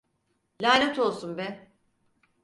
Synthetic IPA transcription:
lʲaːlʲɛt̪o̞lˠsunbɛ

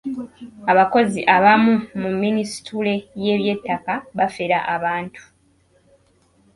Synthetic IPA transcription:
aβako̞ziʔaβamumumːinistule̞je̞ːβje̞tːakaβafeɾaʔaβaːntʰu̥

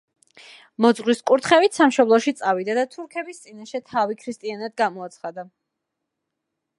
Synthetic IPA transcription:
mɔd̪zʁwiskʼuɾt̪ʰχɛvit̪ʰsamʃɔblˠɔʃit̪sʼavid̪ad̪at̪ʰuɾkʰɛbist̪sʼinaʃɛt̪ʰavikʰɾist̪ʼianad̪ɡamɔat̪sʰχad̪a

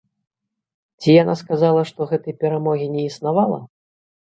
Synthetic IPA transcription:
t͡sʲijanaskazalˠɐʂt̪ɔɣɛt̪ɐjpʲɛɾamɔɣʲinʲɛisnavalˠɐ̰

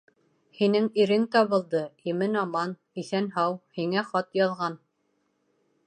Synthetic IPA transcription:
hinɘŋiɾɘŋt̪ɑβɤ̆lˠd̪ɤimɘnɑmɑn | iθænɦɑwhiŋæχɑt̪jɑðʁɑn

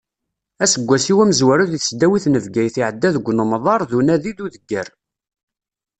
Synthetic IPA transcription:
æsəɡʷːæsiwæməzwæɾuðiθsd̪æwiθnəvɡæjθiʕəd̪ːæðəɡʷːnəmðˤɑɾˤðunæðid̪uðəɡːəɾ

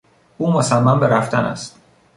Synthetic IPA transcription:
uːmosæmːæmbe̞ɾæft̪ænæ̰st̪̚

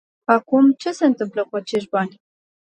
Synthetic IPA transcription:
akumt͡ʃe̞se̞ɨnt̪ɨmpləkuat͡ʃe̞ʃ̬ʲbanʲ

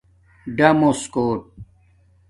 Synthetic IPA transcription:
ɖɐmoskoːʈ̚

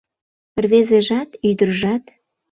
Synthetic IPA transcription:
prβezeʒɑt̪yd̪ərʒɑt̪

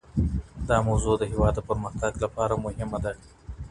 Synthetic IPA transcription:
d̪ɑmawzod̪əɦɪwɑd̪əpəɾməxt̪aɡlapɑɾamʊhɪmad̪a

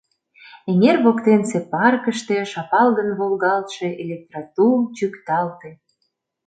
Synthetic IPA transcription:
eŋerβokt̪ensepɑrkəʃt̪eʃɑpɑlɣənβolɣɑlt̪ʃe̽ʔelʲek̚t̪rɑt̪ut͡ɕykt̪ɑlt̪e

